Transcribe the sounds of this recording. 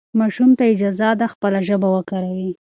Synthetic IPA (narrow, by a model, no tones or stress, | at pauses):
mɑʃumt̪aɪd͡ʒɑzad̪axpəlaʒəbawəkaɾawi